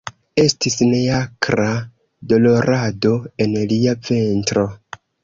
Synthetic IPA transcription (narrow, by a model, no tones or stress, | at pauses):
e̞stisneakɾa | do̞lo̞ɾʔado̞e̞nliap͡fe̞ntɾo̞